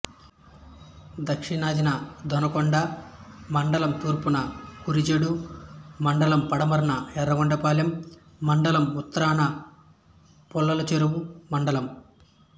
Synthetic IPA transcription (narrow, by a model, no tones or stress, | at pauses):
d̪ɐkʂiɳaːd̪inɐd̪ʱɔnɐkɔɳɖɐmɐɳɖɐlɐmt̪uːɾpunɐkuɾid͡ʒeɽumɐɳɖɐlɐmpɐɽɐmɐɾɐnɐɛɾːɐɡɔɳɖɐpaːljɐmː | ɐɳɖɐlɐmut̪ːɐɾaːnɐ | pɔlːɐlɐt͡ʃeɾuwumɐɳɖɐlɐm